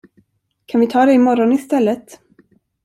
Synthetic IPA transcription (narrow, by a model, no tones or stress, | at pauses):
kʰanvɪt̪ʰɑːd̪ɛɪmɔɾɔnɪst̪ɛlːət̪